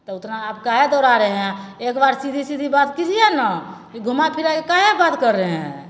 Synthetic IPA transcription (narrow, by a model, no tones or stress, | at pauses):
t̪ɔʊt̪naːp̚kaɦed̪ɔɾaɾəɦɛ̃ekbaɾsid̪ʱisid̪ʱibat̪kid͡ʒʰijɛnakiɡʱumapʰiɾakekaɦebat̪kəɾːəɦɛ̃